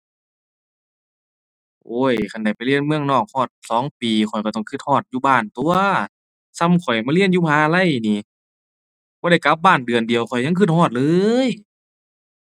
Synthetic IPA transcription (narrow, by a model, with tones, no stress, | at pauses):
ʔoː˧˥˩jkʰa˧˩nda˧˩jpa˨jli˧˩ənmɯ˧˨əŋnɔː˧˩k̚hɔː˧˩t̪̚sɔː˨˦ŋpiː˨kʰɔ˨˩jkɔ˧˩ɔ˧˩ŋkʰɯ˧t̪̚hɔː˧˩t̪̚juː˧baː˧˩nt̪u˧ɐɐ | sa˧˩˨mkʰɔ˨˩jmaː˧li˧˩ə˨njuː˧haː˨˧˦a˧la˧˥˨jniː˧˩ | b̥ɔː˧˦ɾa˧˩jka˧˦p̚baː˧˥˩ndɯ˨əndi˨əwkʰɔ˨˩jɲa˧˥˨kʰɯ˧˩hɔː˧˩t̪̚lɤː˧j